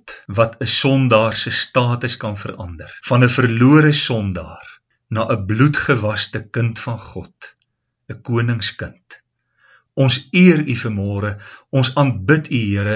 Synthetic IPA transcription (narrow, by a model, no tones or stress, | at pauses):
tvɐtʰəsɔndɑːrsəstɑːtəskɐnfərɐndərfɐnəfərluəɾəsɔndɑːr | nɑːʔəblutχəvɐstəkəntfɐnχɔt | əkuənəŋskənt | ɔnsiəɾyfərmɔːɾəɔnsɐnt̚bətʰyɦiəɾə